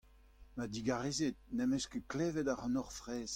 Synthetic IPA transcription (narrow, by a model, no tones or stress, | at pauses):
mad̪iɡaʁezet̚nɛmɛskəklɛːvɛd̪aʁɑ̃nɔʁfʁɛːs